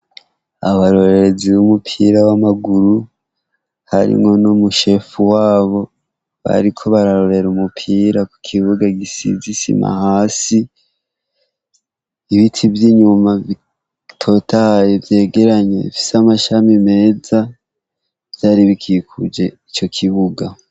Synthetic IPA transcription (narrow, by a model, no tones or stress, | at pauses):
aβaɾo̞ɾeɾeziβumupʰiɾawamaɡuɾu | haɾḭmŋo̞nomuʃe̞fuwaːβo̞ | βa̰ɾikʰo̞βaɾaɾo̞ɾe̞ɾumupʰiːɾaku̥kʰiβuɡaɡisḭzisḭma̰haːsi | iβitʰivjiɲumai | tʰo̞tʰajevje̞ːɡe̞ɾaɲe̞̰ifi̥samaʃamime̞ːza | vjaːɾiβikʰikʰud͡ʒe̞it͡ʃo̞kʰiβuɡa